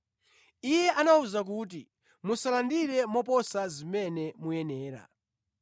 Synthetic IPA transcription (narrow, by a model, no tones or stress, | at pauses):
ijɛʔanauzak̬uːt̬i | musalandiɾɛmɔp̬ɔsazimɛnɛmujɛnɛːɾa̰